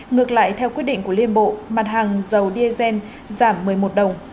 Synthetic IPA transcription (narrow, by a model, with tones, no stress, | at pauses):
ŋɨ˨˩ək̚la̰ː˧˨jt̪ʰɛ˧wkwi˦˥ət̚ɗḭ˧ŋku˧˩əli˧ənɓo̰˧˨ma˨˩t̚haː˨˩ŋzə˨˩wɗi˧zɛ˧n | zaː˧˩mːɨ˨˩əjmo˨˩t̚ɗə˨˩wŋ͡m